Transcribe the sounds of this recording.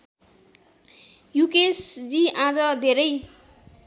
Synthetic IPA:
jukesd͡ziãd͡zʌd̪ʱeɾʌj

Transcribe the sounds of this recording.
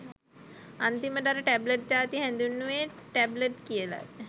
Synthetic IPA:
ant̪iməɖaɾəʈæbləʈ̚d͡ʑaːt̪iɦɛnd̪unːuʋeʈæbləʈkijəla̰

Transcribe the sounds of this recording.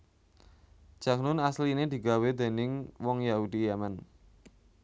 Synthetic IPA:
ʒ̥a̤k̚nʊnaslined̪i̤ɡa̤wed̪e̤nɪŋwɔŋjaud̪ijaman

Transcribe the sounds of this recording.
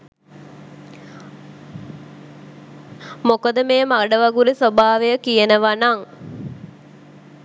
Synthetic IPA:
mokəd̪əmeːmaɖəʋaɡuɾisobaːʋejəkijənəʋanaŋ

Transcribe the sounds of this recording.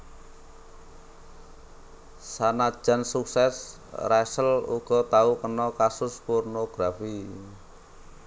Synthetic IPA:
sanad̥ʒ̥a̤nsuksɛs | rasəlṵɡ̥ɔ̤t̪aukənɔkasʊspɔrnoɡ̥ɾafi

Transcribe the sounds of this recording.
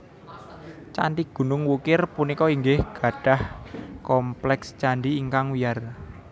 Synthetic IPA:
t͡ʃaɳɖiɡ̥ṳnʊŋwukɪrpunikɔiŋɡɪhɡ̥ä̤ɖ̥a̤hkɔmplɛkst͡ʃaɳɖiːŋkaŋwijar

